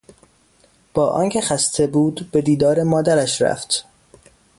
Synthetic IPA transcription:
b̥ɒːʔɒ̰ːncʲʰe̞xæst̪ʰe̞buːd̪be̞d̪iːd̪ɒːɾe̞mɒːd̪æɾæʃɾæ̰ft̪

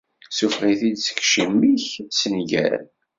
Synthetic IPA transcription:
sufʁiθid̪sə̥kʃimːiçsənʝæ̰ɾ

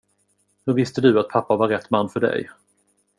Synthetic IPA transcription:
hɵɾvɪst̪əd̪ɵat̪̚pʰapːavaɾɛt̪ːmanːfœɖɛ̰j

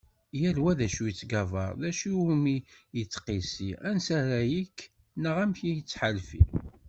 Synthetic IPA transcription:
jæɾwæðæʃujət͡sːɡævɑɾˤðæʃiumijət͡sːqisiænsæɾæjikː | nəʁæmçijət͡sːħalfḭ

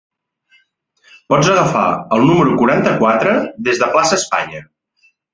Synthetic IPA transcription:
pɔd͡zəɣəfa̰əlˠnuməɾukuɾant̪əkwat̪ɾəðezðəplasəːspa̰ɲə

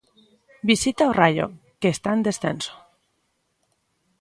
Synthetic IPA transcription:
bisit̪aorajo̰ | keːst̪aend̪esθenso̥

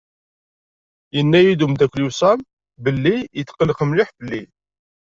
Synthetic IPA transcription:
jənːæjid̪umd̪ækʷːlusˤæm | bəlːijət̪ːqələqəmlɪħbəlːi

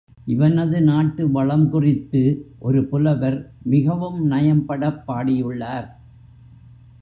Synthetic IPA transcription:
ʔɪʋɐnɐðɯnaːʈːɯʋɐɭɐmkʊrɪt̪ːɯʔɔɾɯpʊlɐʋɐɾmɪɣɐʋɯmnɐjɐmpɐɽɐpːaːɽɪjɯɭːaːɾ

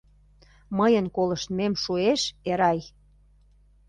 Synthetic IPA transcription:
məjənkolə̆ʃt̪memʃueʃeɾɑj

